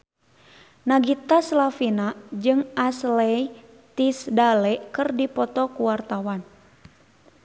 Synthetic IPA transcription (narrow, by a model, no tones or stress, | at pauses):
naɡit̪aslafinad͡ʒɨŋaslɛj | t̪isdalɛkɨrdipɔt̪ɔkuwart̪awan